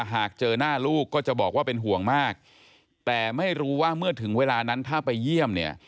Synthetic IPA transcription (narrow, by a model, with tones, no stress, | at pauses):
ɦaː˨˩k̚t͡ɕɤː˧naː˥˩luː˥˩kːɔː˥˩t͡ɕa˨˩ʔbɔː˨˩k̚waː˥˩pe˧nɦu˨˩˦əŋmaː˥˩k̚ | t̪ɛː˨˩ma˥˩jɾuː˦˥waː˥˩mɯ˥˩ɐt̪ʰɯ˩˦ŋweː˧laː˧na˦˥nt̪ʰaː˥˩pa˧jːi˥˩əmni˥˩ɐ